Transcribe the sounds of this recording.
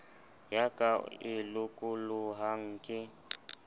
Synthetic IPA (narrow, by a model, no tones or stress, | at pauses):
jakʼaɪlʊkʼʊlʊɦaŋ̩kʼɪ